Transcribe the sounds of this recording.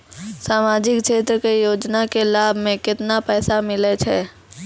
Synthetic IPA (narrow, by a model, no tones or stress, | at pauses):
saːmaːd͡ʒɪkʃeːt̪ɾəkejoːd͡ʒnakelaːbʱmẽkɪt̪napɛːsamɪlet͡ʃʰɛː